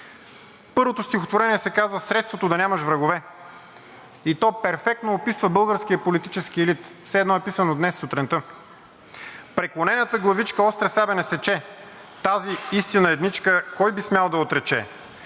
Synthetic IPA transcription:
pɤɾvot̪ost̪ʲixot̪voɾɛniɛsɛkazvəsɾɛt̪st̪vot̪od̪ɐnʲaməʃvɾəɡovɛ | it̪ɔpɛɾfɛk̚t̪noːpisvəbɤlˠɡəɾsk̟ijəpolit̪it͡ʃɛsk̟iɛlit̪fsɛːd̪nɔɛpisənod̪nɛsːot̪ɾɛnt̪ə | pɾɛklˠonɛnət̪əɡlˠɐvit͡ʃkəɔst̪ɾɛsabɛnɛsɛt͡ʃɛ | t̪aziist̪inəɛd̪nit͡ʃkəkɔjbismʲjalˠd̪ɐot̪ɾɛt͡ʃɛ̰

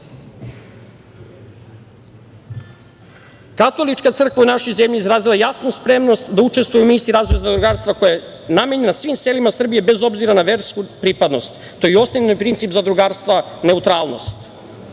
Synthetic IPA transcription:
kat̪o̞lit͡ʃkat̪sr̩kvaunaʃo̞jze̞mʎizɾaːzilˠajasnuspɾe̞mno̞st̪d̪aut͡ʃe̞st̪vujumiːsiɾazveznad̪ɾuɡaːɾst̪vako̞ja | name̞ɲe̞nasʋimse̞limasr̩bije̞be̞zo̞bziɾanaʋeɾskupɾipad̪no̞st̪ | t̪ːoio̞snovnojpɾint̪sipzad̪ɾuɡaːɾst̪ʋa | ne̞ut̪ɾaːlˠno̞̰st̪

